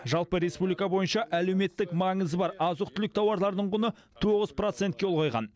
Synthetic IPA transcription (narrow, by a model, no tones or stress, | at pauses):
ʒɑlˠpəɾe̞spublikɑbo̞jənʃɑʔæle̞wme̞t̪ːɪkmɑɴəzəbɑɾɑzʊq̚t̪ʰʏlɪkt̪ʰɑwɑɾlˠɑɾd̪əɴʁʊnə | t̪ʰoʁəzpro̞t̪sent̪̚kʲeolˠʁojʁɑ̰n